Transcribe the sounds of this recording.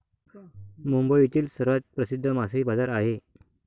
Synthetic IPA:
mumbəit̪iːlsəɾʋat̪̚pɾəsid̪ʱːəmasibad͡zaɾaɦe

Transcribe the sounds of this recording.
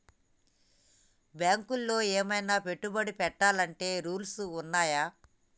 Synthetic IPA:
bjaːŋkulːo̞ːɛːmɐjnaːpe̞ʈːubɐɽipɛʈːaːlɐɳʈe̞ːɾuːlsuunːaːjaː

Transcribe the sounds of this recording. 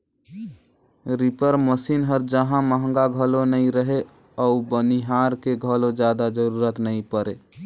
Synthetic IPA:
ɾipəɾməsinɦəɾd͡ʒəɦãməɦə̃ŋɡaɡʱəlonəĩɾəɦe | ɔubəniɦaɾkeɡʱəlod͡ʒjad̪ad͡ʒəɾuɾət̪nəĩpəɾḛ

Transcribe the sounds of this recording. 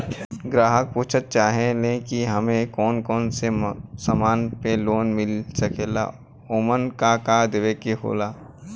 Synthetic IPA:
ɡɾaːɦək̚puːt͡ʃʰət̪̚t͡ʃaːɦelẽkiɦɐmẽkɔːnkɔːnsesamaːnpeloːnmɪlsɐkeːla̰ | oːmənkakad̪eʋekeɦo̰ːlaː

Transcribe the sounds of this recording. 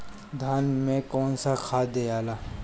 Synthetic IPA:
d̪ʱaːnmẽkɔːnsakʰaːd̪ejaːlaː

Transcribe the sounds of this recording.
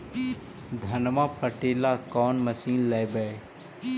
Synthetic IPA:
d̪ʱɐnmaːpəʈeːlakɔːnmɐsiːnlɛːbə

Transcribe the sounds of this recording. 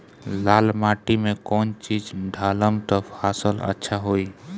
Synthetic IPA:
lalmaʈimekɔːnt͡ʃid͡ʒɖʱaləmt̪ɔpʰasələ̰tːʃʰaɦoi

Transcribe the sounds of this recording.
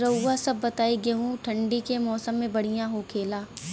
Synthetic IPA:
ɾɐasɐbːɐt̪aːiɡeɦũʈʰɐ̃ɳɖikemɔːsəmːẽbɐɽ̤ijãɦokʰeːlaː

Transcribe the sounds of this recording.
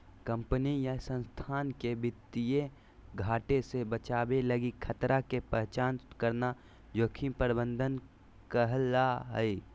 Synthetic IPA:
kə̃mpənijasə̃nst̪ʰaːnkebɪt̪ːije | ɡʱaːʈesebət͡ʃaːbeləɡikʰət̪ɾakepəɦt͡ʃaːnkəɾna | d͡ʒoːkʰipəɾbə̃nd̪ʱən | kəɦlːaɦəi

